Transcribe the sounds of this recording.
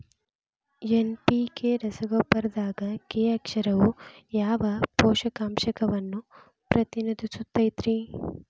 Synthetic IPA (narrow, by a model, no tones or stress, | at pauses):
enpikeɾɐsɐɡoːpːɐɾɐd̪aːɡɐkeːɐkʂɐɾɐʋujaːʋɐpɔːʃɐkaːmʃɐkɐʋɐnːu | pɾɐt̪inid̪ʱisut̪ːɐjt̪ɾi